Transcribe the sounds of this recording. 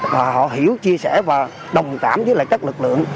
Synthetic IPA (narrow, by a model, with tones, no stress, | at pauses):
vaː˨˩hɔ̰˧˨ɦi˧˩əwt͡ɕi˧əsɛ˧˩vaː˨˩ | ɗə˨˩wŋ͡mkaː˧˩mzəː˨˦laː˧˨kaː˦˥k̚lɨ˨˩k̚lɨ̰˧˨əŋ